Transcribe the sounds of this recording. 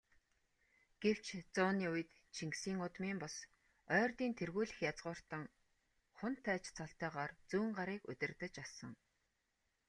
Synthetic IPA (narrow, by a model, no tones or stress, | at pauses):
ɡ̥ew̥t͡ɕʰt͡sʊːniːʊj̆t̪ | t͡ɕʰiŋksiːŋʊt̪miːmpʊs | œːrt̪iːnt̪ʰerɣuːɮɘ̆xjat͡sʁʊːr̥t̪ə̆ŋ | χʊnt̪ʰːæːt͡ɕt͡sʰɔɬt̪æːʁaːrt͡suːɴɢaɾiːkɵ̰t̪ʲɪ̆rt̪ə̆t͡ɕasə̆ŋ